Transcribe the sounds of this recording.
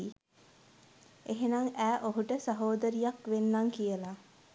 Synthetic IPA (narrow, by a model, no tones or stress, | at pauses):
i | eɦenaŋæːʔoɦuʈəsaɦoːd̪əɾijakʋenːaŋkijəla